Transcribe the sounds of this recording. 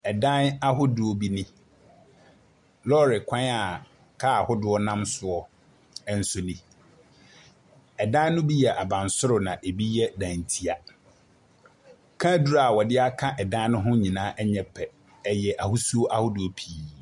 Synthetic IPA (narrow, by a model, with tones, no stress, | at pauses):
ɛ˨dã˦na˦ɦʊ˦dʊ˨ɔ˨bi˦nɪ̃˦ | lɔ˦ɾɪ˨kʰʷã˦na˨ | kʰa˦a˨hʊ˦dʊ˦ɔ˦nã˦msʊ˨ɔ˦ | ɛ˨n̩˦sʊ˦nĩ˦ | ɛ˨dã˦n˦nʊ̃˦bi˦jɛ˨ʔa˨bã˨n˨sʊ˦ɾʊ˨nã˨ʔe˨bi˦jɛ˦dã˨n˨tʰi˦a˨ | kʰã˦du˦ɾa˨wɔ˨dɪ˦a˦kʰã˦ʔɛ˨dã˦n˦nʊ̃˦ɦʊ̃˦ɲĩ˨nãː˦ʔɛ˦ɲɛ˦pʰːɛ˨ | ɛ˨jɛ˨ʔa˨hʊ˦su˦o˦ʔa˦hʊ˦dʊ˨ɔ˨pʰiː˨˦